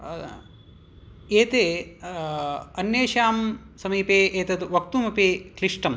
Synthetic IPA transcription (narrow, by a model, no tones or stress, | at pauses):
eːt̪eː | ɐnjeːʃaːm | sɐmiːpeːʔeːt̪ɐt̪ʋɐk̚t̪umɐpeːkliʂʈɐm